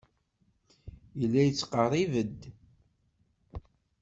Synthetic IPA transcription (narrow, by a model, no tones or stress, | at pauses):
ilːæjət͡sːqərˤivəd̪